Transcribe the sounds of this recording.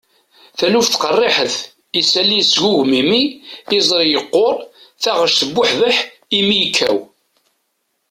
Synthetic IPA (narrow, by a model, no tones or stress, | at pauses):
θælufθqərˤːeħəθ | isælːijsʝuʝmimiːzˤɾijəqːoɾˤθæʁəʃθəbːʊħðəħ | imijkʰːæ̰w